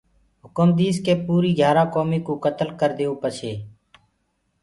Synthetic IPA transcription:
ɦʊkəmd̪iːzkeːpuːɾiːɡʱjaːɾaːkoːmiːkuːkət̪əlkəɾd̪eːõːpət͡ʃʰeː

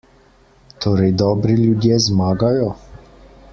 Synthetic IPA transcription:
t̪ʰoːɾɛjd̪ɔːbɾiljud̪jɛzmaːɡajɔ

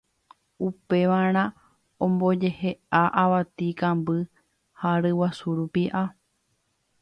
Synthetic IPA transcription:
upe̞ʋaɾ̃ã | õmbod͡ʒe̞heaʔaʋat̪ikãmbɨ | haɾɨwasuɾupiʔa

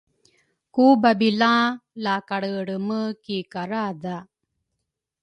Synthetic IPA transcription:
kubabilãlaːkaɽəɽəməkikaɾad̪a

